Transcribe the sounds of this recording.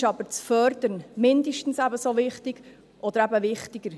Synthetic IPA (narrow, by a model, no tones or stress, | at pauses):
ʃɑb̥əɾt͡sfœɾd̥əɾnmɪnd̪əʃtn̩sæbəsovɪχtiɡ̥ | ʔɔd̥̪əɾæbəvɪχtiɡ̥əɾ